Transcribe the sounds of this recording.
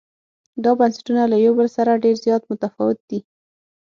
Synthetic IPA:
d̪ɑbansḁʈunalajawbəlsaɾaɖeɾzjɑt̪mʊt̪afɑ̰wɪt̪̚d̪̥i

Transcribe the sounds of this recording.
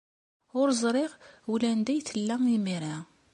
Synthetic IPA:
ʊɾzˤɾˤɪʁulænd̪æjθəlːæŋimiɾa

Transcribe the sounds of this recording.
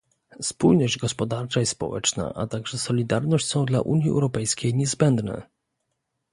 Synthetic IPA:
spujnɔʑd͡ʑɡɔspɔd̪aɾt͡ʂaispɔ̰wɛ̰t͡ʂna̰ʔa̰t̪aɡʐɛsɔlʲid̪aɾnɔɕt͡ɕʲsɔ̃w̃d̪la̰ʔṵɲjiɛ̰wɾɔpɛjskʲejɲɛzbɛnd̪nɛ̰

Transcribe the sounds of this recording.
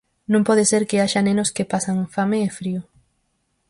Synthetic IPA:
nõmpɔðeseɾkeaʃanẽnoskepasaŋfameːfɾio

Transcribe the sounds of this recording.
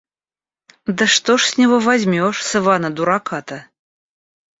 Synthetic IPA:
d̪əʂt̪oʂsʲnʲɛvovazʲmʲoʂsɨvɑnəd̪uɾɑkɑt̪ə

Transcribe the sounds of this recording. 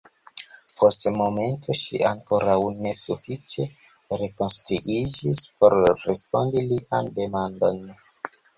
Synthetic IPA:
pʰo̞stmo̞me̞ntʰoʃḭaŋko̞ɾawne̞sufit͡ʃe̞ | ɾe̞konstɾuʔid͡ʒispo̞ɾɾe̞spo̞ndiliʔande̞mando̞̰n

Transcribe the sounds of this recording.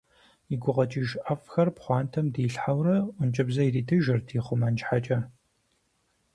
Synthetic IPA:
iɡʷʊʁɐt͡ʃʼiʒʔɐfxɐrpχʷɑːntʰɐmdiːɬħawrɐʊnt͡ʃʼɐbzɐiriːtʰɨʒɪrtʰiːχʷʊmɐnt͡ʃħat͡ʃʼɐ

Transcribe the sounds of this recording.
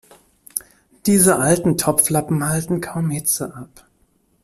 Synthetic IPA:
d̥iːzəʔaltn̩tʰɔpflapm̩haltn̩kʰaʊmhɪt͡səʔap

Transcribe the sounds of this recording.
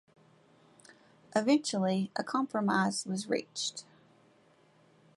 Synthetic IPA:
ʔɨvɛ̃nt͡ʃl̩ˠiʔəkʰɑ̃mpʰɹəmaɪz̥wʌzɹḭt͡ʃt

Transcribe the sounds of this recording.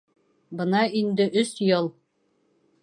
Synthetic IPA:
bɤnɑind̪ɘʔɵsjɤlˠ

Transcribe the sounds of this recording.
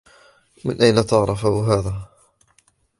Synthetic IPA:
mɪnʔajnat̪ɑʕɾˤɑfahɦaːðaː

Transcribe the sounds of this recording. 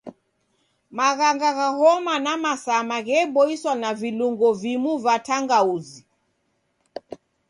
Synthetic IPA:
maɣaŋɡaɣahɔmanamasamaɣɛbɔiswanaviluŋɡɔvimuvatʰaŋɡauzi

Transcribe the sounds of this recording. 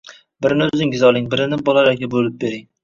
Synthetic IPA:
bɪɾɪnzɪŋɡʲɪzɒlˠɪŋbɪɾɪnɪbɒlˠaɾakʲabolɪp̚beɾɪŋ

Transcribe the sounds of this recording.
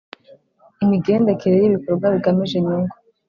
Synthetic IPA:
imiɡe̞ːndekʰeɾejiβikoɾbɡwaβiɡamiʒe̞ɲuːŋɡo

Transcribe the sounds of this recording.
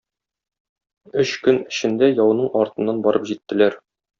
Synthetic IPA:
ɵɕkɵnɘ̆ɕɘ̆nd̪æjɒw̆nɤɴɒɾt̪ɤ̆nːɑnbɒɾɤpʑit̪ːɘ̆læɾ

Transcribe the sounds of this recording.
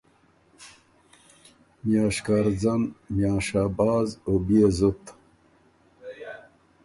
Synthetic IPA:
mjaːʂkaɾd͡zanmjaːʂaːbaːzobiezut̪

